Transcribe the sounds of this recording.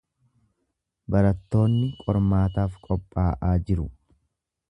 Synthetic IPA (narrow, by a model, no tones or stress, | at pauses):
bɐɾɐt̪ːo̞ːnːɪkʼɔɾmaːt̪aːfkʼɔpʼːaːʔaːd͡ʒɪɾʊ